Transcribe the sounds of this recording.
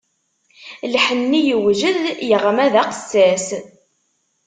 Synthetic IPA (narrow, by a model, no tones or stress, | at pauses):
lħənːijəwʒəðjəʁmæðæqə̥sːæs